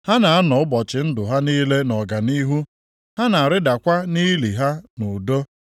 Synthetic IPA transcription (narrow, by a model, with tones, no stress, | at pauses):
ha˦na˨a˦nɔ˨ʊ˦bɔ˨t͡ʃɪ˨n̩˦dʊ˨ɦa˦niː˦le˦nɔ˨ɡa˨ni˦ɦu˦ | ha˦na˨a˨ɾɪ˦da˨kʷa˦ni˦li˨ɦa˦nʊ˨do˦